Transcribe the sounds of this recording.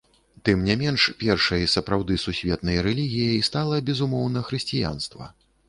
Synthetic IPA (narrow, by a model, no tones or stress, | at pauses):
t̪ɨmnʲamʲɛnʂpʲɛrʂɐjɐsɐpɾawd̪ɨsusʲvʲɛt̪̚nɐjɐɾɛlʲiɣʲijɐjst̪alˠɐbʲɛzumɔwnɐxɾɨsʲt͡sʲija̰n̪st̪vɐ̰